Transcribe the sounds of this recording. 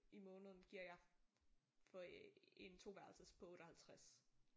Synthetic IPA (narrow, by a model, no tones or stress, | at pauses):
ʔimɔ̽ːnəð̞̩ˠn̩ɡ̥iɐ̰jɑ̈ | fɒent͡sʰo̝̰ːʋæɐlsɐspʰɒ̽ɔ̽ːɾ̥ɒ̽hælt͡sʰʁas